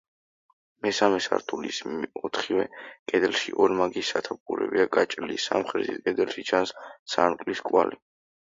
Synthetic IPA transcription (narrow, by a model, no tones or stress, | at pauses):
mɛsamɛsa̰ɾt̪ʰulḭsɔt̪ʰχiɛkʼɛd̪ɛlʃiʔɔɾmaɡisːat̪ʰap̚kuɾɛ̰biakʼat͡ʃʼlisa̰mχɾɛzḭt̪̚ʰkʼɛd̪ɛlˠʃit͡ʃʰanssankʼliskʼwali